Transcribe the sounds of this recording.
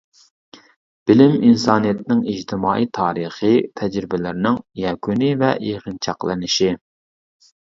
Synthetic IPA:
b̥ɪlɪminsɑːnijɛt̪ɪnɪŋid͡ʒt̪ʰɪmɑːʔijt̪ʰɑːɾəχɨt̪ʰɛd͡ʒɾɪbɪlɪɾɪnɪŋjɛkʲʰunɪvɛ̰ʔeʁənt͡ʃʰɑqlˠɨ̰nɪʃi

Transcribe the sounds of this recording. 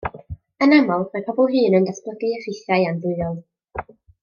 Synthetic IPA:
ənamɔlˠmapʰɔbɔlˠɦɨːnəndaspləɡɨɛrɪθjajandʊɨɔlˠ

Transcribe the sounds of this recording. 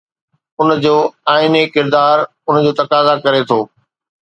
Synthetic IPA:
ʊnd͡ʑoːaːɪnekɪɾd̪aːɾ | ʊnd͡ʑoːt̪ɐkaːzakɐɾet̪ʰoː

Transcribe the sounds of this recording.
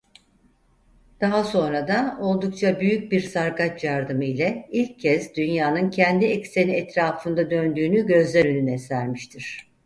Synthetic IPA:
d̪̥aɦaso̞nɾad̪ao̞lˠd̪uk̚t͡ʃʰabyjyc̚biɾsaɾɡat͡ʃjaɾd̪ɯmɯilʲɛilʲcʰːɛsd̪ynjaːnɯncʰɛnd̪iɛcse̞niɛt̪ɾaːfɯnd̪ad̪ø̞nd̪yːnyɟø̞zlʲɛɾønynɛsæɾmiʃt̪ʰiɾ̥

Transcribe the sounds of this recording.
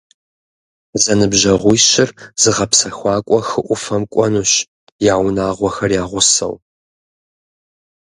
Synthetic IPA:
zɐnɨbʒɐʁʷʊjɕɪrz̥ɨʁɐpsɐxʷɑːkʷʼɔxɨʔʷʊfɐmkʷʼɔnuːɕ | jaːwnaːʁʷɔxɐrjaːʁʷʊsɐ̰w

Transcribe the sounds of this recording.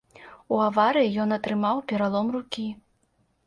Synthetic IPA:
uavaɾɨjijɔnɐt̪ɾɨmawpʲɛɾalˠɔmrukʲi

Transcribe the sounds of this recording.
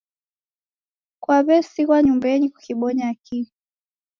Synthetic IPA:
kwaβɛsiɣwaɲumbɛɲiku̥kiɓɔɲaki

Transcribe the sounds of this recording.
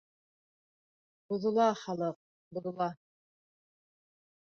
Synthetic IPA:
buðŏlˠɑχɑlˠɤq̚ | buðŏlˠɑ

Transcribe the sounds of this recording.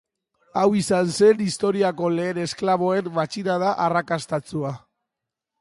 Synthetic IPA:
awisanse̞nist̪o̞ɾiako̞le̞ːne̞sklaβ̞o̞e̞mmat͡ʃinað̞aʔarakast̪at͡sua

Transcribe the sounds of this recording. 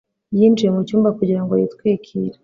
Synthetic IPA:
jind͡ʒijemucuːmbakuɟiɾaŋɡojḭtkwiːkʰḭːɾa

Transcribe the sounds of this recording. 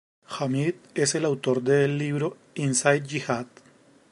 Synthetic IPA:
xamit̪e̞se̞lawt̪o̞ɾd̪e̞ːlːiβɾo̞ | insajt̪̚d͡ʒixat̪

